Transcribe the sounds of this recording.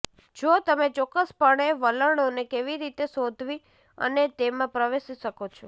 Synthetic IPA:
d͡ʒot̪əmet͡ʃɔkːəspəɽ̃eʋələɽ̃onekeʋiɾit̪esod̪ʱʋi | ə̰net̪emãpɾəʋesiʃəkot͡ʃʰo

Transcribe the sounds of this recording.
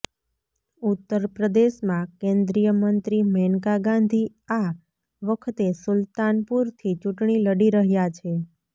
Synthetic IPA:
ut̪ːəɾpɾəd̪eʃmãkẽnd̪ɾijəmənt̪ɾimɛnkaɡãnd̪ʱi | a | ʋəkʰt̪esʊlt̪anpuɾt̪ʰit͡ʃũʈɳiləɽiɾəɦjat͡ʃʰe

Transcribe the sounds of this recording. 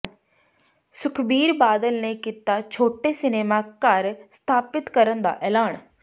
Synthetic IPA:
sʊkʰbiːɾbaːd̪əlnẽkɪt̪at͡ɕʰoːʈesɪneːmakaːɾst̪ʰaːpɪt̪kɐɾə̃nd̪a̰ʔɛːlaːñ

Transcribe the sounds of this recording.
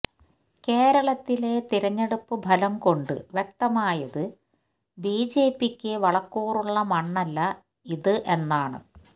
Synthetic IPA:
keːɾɐɭɐt̪ːile̞t̪iɾɐɲːeɽupːɨbʱɐlɐmko̞ɳɖɨ̰ʋjek̚t̪ɐmaːjɐðɨ | biːd͡ʑe̞ːpːikʲːɨʋɐɭɐkːuːruɭːɐmɐɳːɐlːɐ | iðɨʔe̞nːaːɳɨ̰

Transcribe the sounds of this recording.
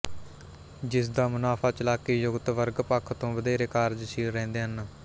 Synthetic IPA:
d͡ʒɪsd̪aːmʊnaːpʰaːt͡ʃəlaːkeːjʊɡt̪ʋəɾɡpəkʰt̪õːʋəd̪eːɾeːkaːɾd͡ʒʃiːɾːɛ̃ːnd̪eːɦən

